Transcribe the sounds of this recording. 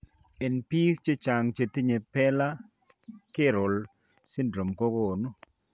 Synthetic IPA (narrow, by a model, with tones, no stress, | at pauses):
e˨npi˦kt͡ʃe˦t͡ʃa˨ŋt͡ʃe˨t̪i˦ɲe˨pɛ˦la˦ | kɪ˦ɾʊ˨l | sɪ˦ndɾo˨mko˦ɡo˦o˨no˦